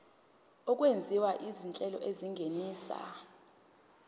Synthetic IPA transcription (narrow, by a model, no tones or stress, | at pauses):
ɔk̬ʼwend͡zʱiwaʔizint͡ɬʼɛlɔ̰ʔeziŋɡʱeniːsa̰